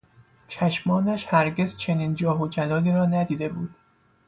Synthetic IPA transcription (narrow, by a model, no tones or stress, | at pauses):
t͡ʃʰæʃmɒːnæʃhæɾɟe̞zt͡ʃʰe̞niːnd͡ʒɒːɦod͡ʒælɒːliːɾɒːnæd̪iːd̪e̞buːd̪̥